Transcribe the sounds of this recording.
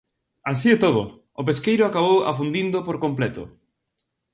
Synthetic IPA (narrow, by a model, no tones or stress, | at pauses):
as̬iet̪oð̞ʊ̰ | ʊpeskejɾʊakaβ̞owa̰fund̪ind̪opoɾkomplɛt̪ʊ̰